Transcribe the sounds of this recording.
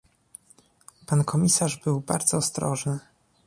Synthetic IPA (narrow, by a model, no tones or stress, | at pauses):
pankʰɔmʲisaʐbɘwbaɾd̪zɔːst̪ɾɔʐnɘ